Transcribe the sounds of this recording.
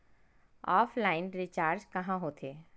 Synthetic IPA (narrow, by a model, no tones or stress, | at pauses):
ɔːfʰlaːɪnɾit͡ʃaːɾd͡ʒkɐɦãɦoːt̪ʰeː